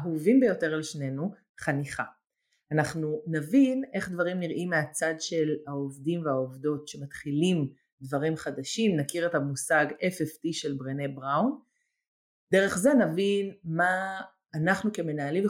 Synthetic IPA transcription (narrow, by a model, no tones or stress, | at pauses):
ɦuevinbejo̞te̞ʁalʃne̞nu | χaniχa | anaχnunavine̞χd̪vaʁimniʁʔimːeat͡sadʃe̞lhaovdimveaovdo̞tʃe̞matχilim | dvaʁimχadaʃimnakiʁetamusaɡefeftiʃe̞lbʁenebʁawn | deʁe̞χze̞navinmaː | naχnuke̞me̞naːlim